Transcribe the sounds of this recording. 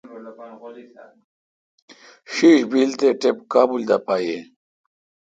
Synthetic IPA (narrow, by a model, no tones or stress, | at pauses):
ɕiɕbilt̪eʈepkaːbuld̪apaːje